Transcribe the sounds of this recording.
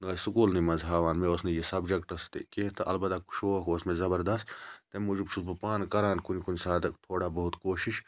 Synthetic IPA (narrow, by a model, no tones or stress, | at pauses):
nɐːsukuːlnimɐnzɦaːʋaːnmẽosnijesɐbd͡ʒɐkʈɐst̪ekeːt̪ɐʔɐ̰lbɐd̪aku̥ʃoːɐkosmezɐbɐɾd̪ɐst̪t̪emud͡ʒubt͡ʃʰusbupaːnkɐɾaːnkunikunʲsaːd̪ɐkt̪ʰoːɽabɐɦut̪koːʃiʃ